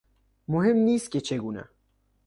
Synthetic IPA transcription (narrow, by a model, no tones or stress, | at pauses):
moɦemniːst̪̚kʲʰet͡ʃʰeɡuːnæ̰